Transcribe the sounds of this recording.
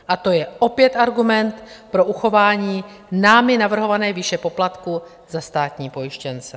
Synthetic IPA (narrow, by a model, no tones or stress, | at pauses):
ʔat̪o̞jɛʔo̞pjɛt̪ʔaɾɡumɛnt̪pɾo̞ʔuxo̞vaːɲiː | naːmɪnavr̩ɦo̞vanɛːvɪʃɛpo̞plat̪ku | zast̪aːt̪ɲiːpo̞jɪʃcɛnt͡sɛ